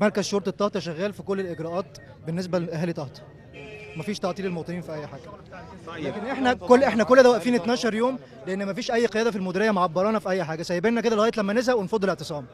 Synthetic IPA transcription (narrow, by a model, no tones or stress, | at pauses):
mɑɾkæzʃoɾˤt̪ˤet̪ːɑht̪ˤɑʃæɣːæːlfikolːelʔeɡɾɑːʔɑːt̪ | benːes̬bæʔæɦæːlit̪ɑht̪ˤɑ̥ | mæfiːʃt̪ɑʕt̪ˤiːlelmowt̪ˤeniːnfiʔæjːħaːɡ̥æ | lækenʔeħnækolːʔeħnækolːd̪æwæʔfiːnʔet̪næːʃɑɾˤjoːm | leʔenːmæfiːʃʔæjːqejæːd̪æfilmod̪iːɾejːæmaʕabːɑɾˤɑːnɑfiʔæjːħaːɡæsæjːebenːæked̪æleɣæːjet̪læmːænezhæwenfɑd̪ːeleʕt̪esˤɑːm